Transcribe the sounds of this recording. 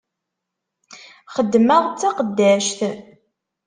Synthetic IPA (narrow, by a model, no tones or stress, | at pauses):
χəd̪ːməʁt͡sːaqəd̪ːæʃθ